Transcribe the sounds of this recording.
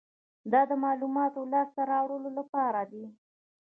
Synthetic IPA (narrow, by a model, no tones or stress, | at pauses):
d̪ɑd̪əmɑlumɑt̪olɑst̪aɾɑwɽəlolapɑɾad̪i